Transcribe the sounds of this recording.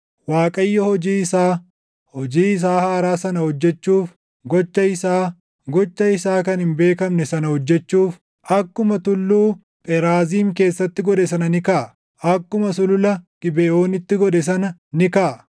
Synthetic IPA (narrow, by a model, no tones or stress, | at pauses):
waːkʼɐjːɐhɔd͡ʒiːɪsaː | hɔd͡ʒiːɪs̬aːhaːɾaːsɐnɐhɔd͡ʒːɛt͡ʃːuːf | ɡɔt͡ʃːɐɪsaː | ɡɔt͡ʃːɐɪsaːkɐnhɪmbe̞ːkɐmnɛsɐnɐhɔd͡ʒːɛt͡ʃːuːf | ɐkːʊmɐt̪ʊlːuː | p̪ʼɛɾaːziːmke̞ːsːɐt̪ːɪɡɔᶑɛsɐnɐnɪkaːʔ | ʔɐkːʊmɐsʊlʊlɐɡ̥ɪbɛoːnɪt̪ːɪɡɔᶑɛs̬ɐnɐnɪkaː